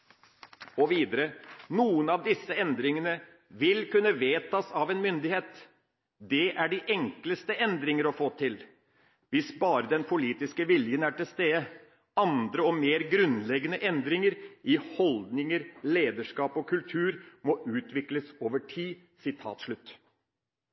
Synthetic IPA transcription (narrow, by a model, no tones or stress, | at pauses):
ɔʋiːd̪əɾənuːənɑʋd̪ɪsːəɛnd̪ɾɪŋənə | ʋɪlkʉnːəʋeːt̪ʰɑːsɑʋɛnmʏnd̪ɪheːt̪ | d̪ɛʔæɖɪʔɛŋkləst̪əʔɛnd̪ɾɪŋəɾɔfoːt̪ʰɪl | ʋɪsbɑːɾəd̪ɛnpʰʊliːt̪ɪskəʋɪljənæʈɪlst̪eːə | ɑnd̪ɾəɔmeːɾɡɾʉnlɛɡənəʔɛnd̪ɾɪŋəɾʔɪhɔld̪nɪŋəɾleːd̪əʂkɑːpɔkʰʉlt̪ʰʉːɾmɔʔʉːt̪ʋɪkləsoːʋəʈʰiː | sɪt̪ʰɑ̰ːt̪ʂɭʉt̪ː